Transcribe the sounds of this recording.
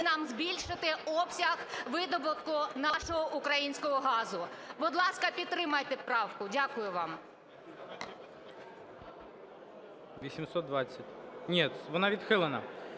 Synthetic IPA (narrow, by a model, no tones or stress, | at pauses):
nɑmzbʲilʲʃɪt̪ɪɔpsʲɐɣʋɪd̪ɔbʊkʊnɐʃɔɦɔʔʊkɾɐjinʲsʲkɔɦɔɦɑzʊbʊd̪lˠɑskɐpʲidt̪t̪ːɾɪmɐjt̪ɛpɾɑwkʊdʲakʊjʊʋɑm | ʋʲisʲimsɔt̪̚d̪ʋat͡sʲːɐtʲnʲɛt̪ʋɔnɑʋʲid̪xɪlˠenɐ̰